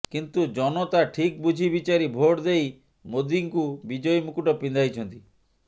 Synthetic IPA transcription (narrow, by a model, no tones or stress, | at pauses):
kint̪ud͡ʒɔnɔt̪aʈʰik̚bud͡ʒʱibit͡ʃaɾibʱoʈd̪ej | mod̪iŋkubid͡ʒɔjmukuʈɔpind̪ʱajt͡ʃʰɔnt̪i